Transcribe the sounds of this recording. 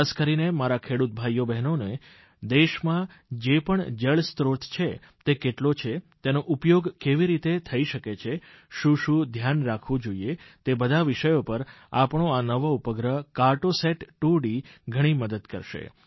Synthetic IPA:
askəɾinemaɾakʰeɽut̪̚bʱajobɛɦnone | d̪eʃmã | d͡ʒepəɳd͡ʒeɭst̪ɾot̪ʰt͡ʃʰe | t̪ekeʈlot͡ʃʰet̪enoʔupjoɡkeʋiɾit̪et̪ʰəiʃəket͡ʃʰe | ʃũʃũd̪ʱjanɾakʰʋũd͡ʒoiet̪ebəd̪ʱaʋɪʃəjopəɾa̰pɳoanəʋoupəɡɾəkaɾʈoseʈʈuɽiɡʱəɽ̃iməd̪əd̪kə̰ɾʃḛ

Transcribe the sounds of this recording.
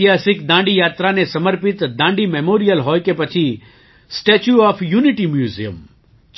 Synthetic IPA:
jasikd̪ãɳɖijat̪ɾanesəməɾpit̪d̪ãɳɖimemoɾijəlɦojkepət͡ʃʰi | sʈet͡ʃuɔfʰjuniʈimjuzḭə̰m

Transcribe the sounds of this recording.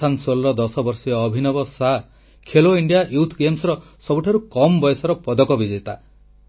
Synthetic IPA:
ansolɾɔd̪ɔsɔbɔɾsijɔːbʱinɔbɔsa | kʰeloiɳɖijaʔjut̪ʰɡemsɔɾɔ | sɔbuʈʰaɾukɔmbɔjɔsɔɾɔpɔd̪ɔkɔbid͡ʒet̪a

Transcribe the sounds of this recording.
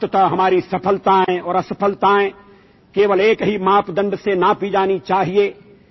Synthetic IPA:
t̪ət̪aɦɐmaːɾisɐpʰəlt̪ãɦɛ̃ɔːɾɐsɐpʰəlt̪aɦɛ̃ː | keːʋəleːkɦimaːpd̪ɐ̃ɳɖsenapid͡ʒaːnit͡ʃaːɦie

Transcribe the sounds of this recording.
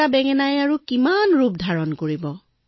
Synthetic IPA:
abɛŋɛnajaɹukimanɹup̚dʱaɹɔnkoɹibɔ

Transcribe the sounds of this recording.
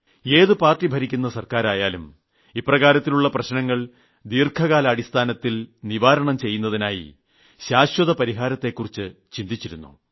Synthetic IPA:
e̞ːðɨpaːrʈːibʱɐɾikʲːunːɐsɐrkaːɾaːjaːlum | iprɐɣaːɾɐt̪ːiluɭːɐprɐɕnɐŋːɐɭ | d̪iːrkʰɐɣaːlɐːɽist̪ʰaːnɐt̪ːilniʋaːɾɐɳɐmt͡ɕe̞jːunːɐðinaːjḭ | ɕaːɕwɐðɐpɐɾiɦaːɾɐt̪ːe̞kːurit͡ɕːɨt͡ɕind̪it͡ɕːiɾunːṵ

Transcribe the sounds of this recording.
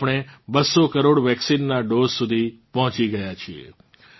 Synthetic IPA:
pɽ̃ebəsːokəɾoɽʋɛksinːaɖozsud̪ʱipɔɦɔ̃t͡ʃiɡəjat͡ʃʰiḛ

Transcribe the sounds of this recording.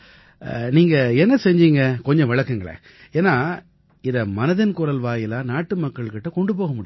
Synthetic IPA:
niːŋɡɐɛnːɐsɛɲd͡ʒiŋɡɐkɔɲd͡ʒɔ̃ʋɪɭɐkːɯŋɡɐɭɐ̰ | eːnːaː | ɪðɐmɐnɐðɪnkʊɾɐlʋaːjɪlaːnaːʈːɯmɐkːɐɭkɪʈːɐkɔɳɖɯp̬oːɣɐmʊɽɪ

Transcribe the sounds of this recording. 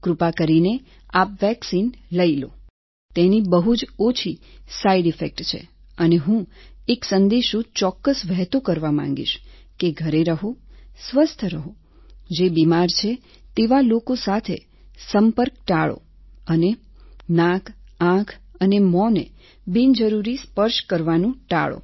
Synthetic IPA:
kɾupakəɾine | apʋɛksinləilo̰ | t̪enibəɦud͡ʒot͡ʃʰisaiɖifek̚ʈt͡ʃʰḛ | əneɦũeksənd̪eʃũt͡ʃɔkːəsʋɛɦt̪okəɾʋamã̰ŋ̆ɡḭʃkeɡʱəɾeɾəɦosʋəst̪ʰəɾəɦo | d͡ʒebimaɾt͡ʃʰe | t̪eʋalokosat̪ʰe | səmpəɾk̚ʈaɭo̰ | əne | nãkʰãkʰənemɔnḛ | bind͡ʒəɾuɾispəɾʃkəɾʋanũʈa̰ɭo̰

